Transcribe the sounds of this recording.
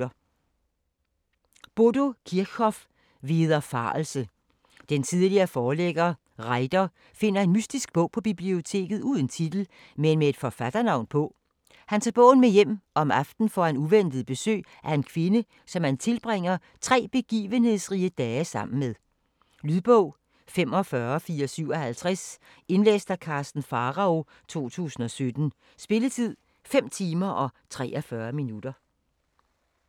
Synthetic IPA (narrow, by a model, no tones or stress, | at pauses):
ɐ | b̥o̝do̝kʰiɐɡ̥ʰɒ̽f | ʋiːðˠɐfɑ̈ːlsə | d̥ent͡sʰið̞ˠliɐfɒːleɡ̥ɐː | ʁɑ̈ɪd̥ɐ | fe̝n̰ɐe̝nmysd̥isɡ̥̚b̥ɔ̽ʊ̰pʰɒ̽b̥ib̥lio̝t͡sʰe̝̰ːɡ̥ð̩ˠuð̞ˠən̩t͡sʰid̥l̩ | menmee̝d̥fɒfæd̥ɐnɑ̈ʊ̰npʰɔ̽ | hænt͡sʰɑːb̥ɔ̰̽ːn̩mejem̰ʔɒ̽mɑ̈fd̥n̩fɒænuʋen̰d̥ð̩ˠb̥e̝sø̰ː | ʔæɐe̝nkʰʋe̝nə | sɒ̽mænt͡sʰe̝lb̥ʁeŋ̰ɐ | t͡sʰʁɛ̰ːb̥e̝ɡ̥ḭːʋənhe̝ð̰ˠsʁiəd̥ɛːsɑ̈m̰n̩meðˠ | lyðˠb̥ɔʊ̰ | fem̰ɒ̽fɶːɐfiːɐsyʊɒ̽hælt͡sʰʁas | e̝nlḛːsd̥ækʰɑ̈sd̥n̩fɑʁɑ̈o̝ | t͡sʰo̝̰ːt͡sʰṵːsn̩ɒ̽sød̥n̩ | sb̥e̝lət͡sʰið̞̰ˠ | fem̰t͡sʰiːmɐʔɒ̽t͡sʰʁɛ̰ːʔɒfɶːɐminud̥ɐ